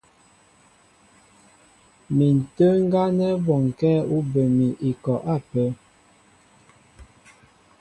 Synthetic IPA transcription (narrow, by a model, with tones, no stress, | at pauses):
mi˨n̩˨tə˦ŋ̩˦ɡa˦nɛ˦bɔ˨ŋ˨kɛː˦u˦bə˨mi˨ʔi˨kɔ˨ʔa˦˨pɛ˨˦